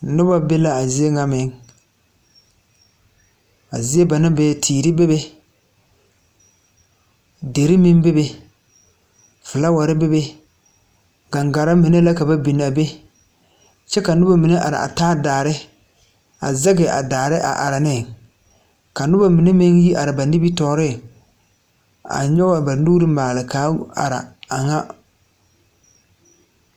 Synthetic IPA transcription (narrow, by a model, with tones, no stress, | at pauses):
nʊ˦ba˦be˦la˦a˨zi˦e˦ŋa˦mɪ˨˦ŋ | a̰˨zi˦e˦ba˨nɪ˦bɛː˨tʰiː˨ɾi˦be˦βe˦ | de˨ɾi˦mɪ˦nbe˦be˦ | fɪ˨la˦wa˨ɾɪ˦be˦be˦ | ɡa˨ŋɡa˨ɾa˦mi˨ne˦la˦ka˨ba˦bi˨n˨a˨be˦ | t͡ʃɛ˦ka˨nʊ˦ba˦mi˨ne˦ʔa̰˨ɾɪ̰˨ʔa̰˨taː˦daː˨ɾɪ˦ | a˨zɛ˦ɡɪ˨ʔa̰˨daː˨ɾɪ˦ʔa̰˨ʔa˨ɾa˨nɪ˦˨ | ka˨nʊ˦ba˦mi˨ne˦mɪ˦ŋji˦ʔa˨ɾɪ˨ba˨ni˦bi˦tɔː˨˦ɾɪ˦˨ | a̰˨ɲɔ˦ɡba˨nu˦ɾɪ˦maː˨lɪ˨kaː˨˦a̰˨ɾa̰˨a˨ŋa˦